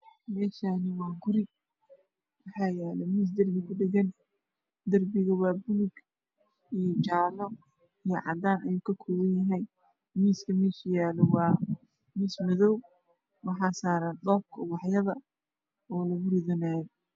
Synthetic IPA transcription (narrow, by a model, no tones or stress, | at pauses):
mɛːʃaːnɪwɑːɡʊɾɪ | wɑħɑːjɛːlɛmiːs̬d̪ɐrbɪkʊɖɪɣɐn | d̪ɐrbɪɣɐwɑːbʊnʊɡ | ijɔt͡ʃaːlɔ | ijɞʕɑ̰d̪aːnɐjuːkʰɐkʰɔːwɐjjɐɦɛj | miːskʰɐmiːʃjaːlɔwɑː | miːsmɐðɔw | wɑħɑːsaːɾaːnd̪ɔːb̚kʰɔwɑħjɐðɐ | ɔːlɐɣʊrɪðɔnaːjɔ